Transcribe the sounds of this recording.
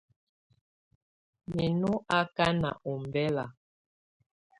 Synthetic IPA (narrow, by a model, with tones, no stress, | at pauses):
me˨nu˦a˦ka˦na̰˨ʔɔ˨mbɛ˦la˨